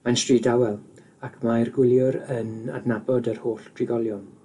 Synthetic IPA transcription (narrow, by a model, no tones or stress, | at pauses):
majnstriːdawɛlˠ | akʰmajrɡwɪlˠjʊɾəna̰dnabɔdərhoːɬd̥ʰrɪɡɔlˠjɔn